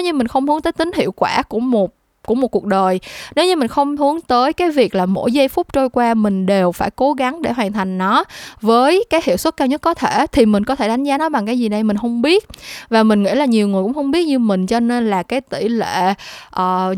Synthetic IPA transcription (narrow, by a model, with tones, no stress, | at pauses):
wɲɨ˧mï˨˩ŋ̟xə˧wŋ͡mhɨ˨˦ət̪əː˨˦jt̪ï˨˦ŋ̟hḭ˧˨əwkwaː˧˩kʊ̰˧˩mo˨˩t̚ | ku˧˩mo˨˩t̚ku˨˩ək̚ɗəː˨˩jne˨˦wɲɨ˧mï˨˩ŋ̟xə˧wŋ͡mhɨ˨˦əŋt̪əː˨˦jkaː˨˦jvi˨˩ək̚laː˨˩mo̰˧˥jza˧jfʊ˦˥k͡p̚t͡ɕo˧jkwaː˧mï˨˩ŋ̟ɗe˨˩wfaː˧˩jko˨˦ɣa˨˦ŋɗe˧˩ɦwaː˨˩nt̪ʰa˨˩jŋ̟nɔ˨˦vəː˨˦jkaː˨˦jhḭ˧˨wswə˦˥t̚kaː˧wɲə˦˥t̚kɔ˨˦t̪ʰe˧˩t̪ʰi˨˩mï˨˩ŋ̟kɔ˨˦t̪ʰe˧˩ɗa˨˦jŋ̟zaː˨˦nɔ˨˦jɓa˨˩ŋkaː˨˦jzi˨˩na˨˩jmï˨˩ŋ̟hə˧wŋ͡mɓi˦˥ət̚vaː˨˩mï˨˩ŋ̟ŋḭ˧˥laː˨˩ɲi˨˩əwŋɨ˨˩kŋ͡mxə˧wŋ͡mɓi˦˥ət̚ɲɨ˧mï˨˩ŋ̟t͡ɕɔ˧ne˧nlaː˨˩kaː˨˦jt̪ḭ˧˩lḛ˧˨ʔəː˨˩